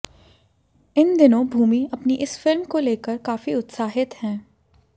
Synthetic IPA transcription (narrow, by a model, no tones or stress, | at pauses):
ɪnd̪ɪnõbʱuːmiɐpniʔɪsfɪlmkoleːkəɾkaːfiʊt̪saːɦɪt̪hɛ̃ː